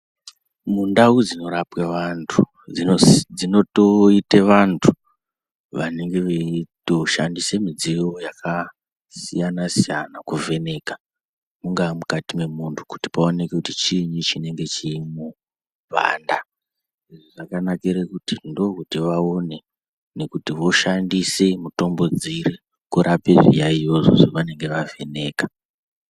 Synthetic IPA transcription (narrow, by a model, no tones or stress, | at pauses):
mundaud͡zino̞ɾapweʋantʰu | id͡zino̞toiteʋantʰu̥ | ʋane̞ŋɡe̞ʋeto̞ʃandisemid͡zijo̞jakʰa | sijanasijanakuve̞ne̞ka | muŋɡamukatime̞muntʰu̥ku̥ti̥paone̞kekutit͡ʃiɲut͡ʃine̞ŋɡe̞t͡ʃiːmu | ba̰nda | eʐoʐakanakiɾekutindo̞kutiʋaone̞ | ne̞kutiʋo̞ʃandise̞muto̞mbo̞d͡zire | kuɾʔapeʐḭjaijoʐo̰ʐoʋane̞ŋɡe̞ʋave̞ne̞ːkḁ